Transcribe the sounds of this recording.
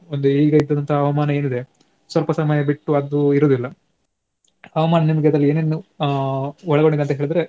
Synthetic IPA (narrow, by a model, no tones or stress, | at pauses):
ond̪uiːɡɐid̪ːɐd̪ɐnt̪ʰɐɦɐɐʋɐmaːnɐeːnid̪e | sʋɐlpɐsɐmɐjɐbiʈːuɐd̪uiɾoːd̪ilːɐ | ɐʋɐmaːnɐnimɐɡeɐd̪ɾɐlːieːneːnu | ɔɭɐɡo̞ɳɖid̪eɐnt̪ɐɦeːɭid̪ɾe̞